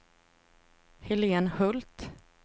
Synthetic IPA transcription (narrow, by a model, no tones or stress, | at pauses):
hɛleːnhɵlt̪